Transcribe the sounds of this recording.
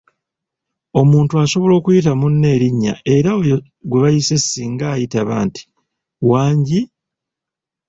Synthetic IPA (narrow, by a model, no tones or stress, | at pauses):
o̞muːntuaso̞βo̞lo̞ːkujit̬amunːe̞ːɾiɲːa̰ʔe̞ɾaoj | ɡwe̞βajise̞siːŋɡaːjitaβaːnti̥ | waːɲɟi